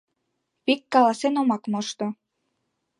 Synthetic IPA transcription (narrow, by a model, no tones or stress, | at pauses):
pikːɑlɑsenomɑkmoʃt̪o